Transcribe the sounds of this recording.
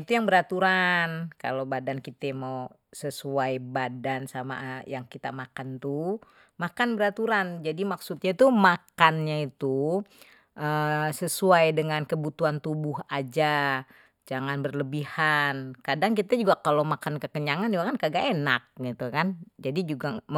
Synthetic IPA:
it̪ujaŋbəɾat̪uɾanka̰lobadankit̪ɛmau | səsuajbadansama̰jaŋkit̪amakant̪u | makanbəɾat̪uɾand͡ʒadimaksut̪̚ɲait̪umakanɲait̪u | ʔəsəsuajdəŋankəbut̪uant̪ubʊɦad͡ʒa | d͡ʒaŋanbərləbihankadaŋkit̪ad͡ʒuɡakalomakankəkəɲaŋand͡ʒuɡakankaɡaʔenak̚ɡit̪ukand͡ʒadid͡ʒuɡam

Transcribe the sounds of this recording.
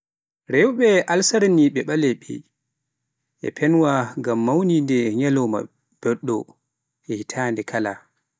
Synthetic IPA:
ɾɛwɓɛʔalsaɾniɓɛɓalɛɓɛ̰ | ʔɛ̰pʰɛnwaŋɡamːawnindɛɲɛlɔma̰ | b̥ɛɗːɔ | ɛhitʰaːndɛkʰala

